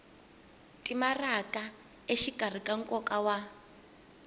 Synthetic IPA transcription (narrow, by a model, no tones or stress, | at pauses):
tʼimarakʼa | eʃikar̤ikʼaŋ̩kʼɔkawa